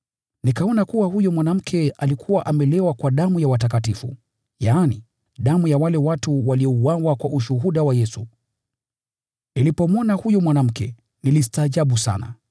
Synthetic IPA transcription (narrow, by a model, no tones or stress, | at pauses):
nikaɔnakuwahujɔmwanam̩kʰɛalikʰuwaʔamɛlɛwakwaɗamujawatak̬atifṵ | jaːni | ɗamujawalɛwatuwaliɔuwawakwaʔuʃuɦuɗawajɛsu | nilipɔmwɔnahujɔmwanam̩kɛ̰ | nilistaːʄaɓusa̰na̰